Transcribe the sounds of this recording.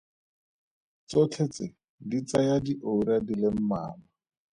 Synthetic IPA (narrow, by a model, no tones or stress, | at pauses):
t͡sot͡ɬʰet͡sɪ | dit͡sajadiʔouɾadilem̩ma̰ːma